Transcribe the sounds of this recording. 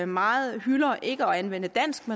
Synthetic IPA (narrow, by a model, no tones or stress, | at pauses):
mɑ̈ːð̩ˠhylɐʔe̝ɡ̥əɒ̽ænʋen̰əd̥æn̰sɡ̥mæ